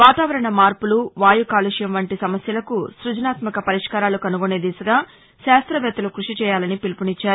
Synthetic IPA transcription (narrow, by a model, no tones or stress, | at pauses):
ʋaːt̪aːʋɐɾɐɳɐmaːɾpuluʋaːjukaːluʂjɐmʋɐɳʈisɐmɐsjɐlɐkusɾud͡ʒɐnaːt̪mɐkɐpɐɾiʂkaːɾaːlukɐnuɡoneːd̪iːsɐɡaː | ʃaːst̪ɾɐʋɛːt̪ɐlukɾuʂit͡ʃɛːjaːlɐnipilpunit͡ʃːaːɾu